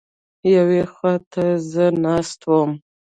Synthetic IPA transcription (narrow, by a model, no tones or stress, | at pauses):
jawexatʰazɨnastʰwam